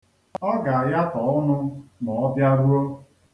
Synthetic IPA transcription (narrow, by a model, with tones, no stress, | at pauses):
ɔ˦ɡa˨a˨ja˦tɔ˨ɔ˦nʊ˦nɔ˨ɔ˦bja˦ɾu˦o˦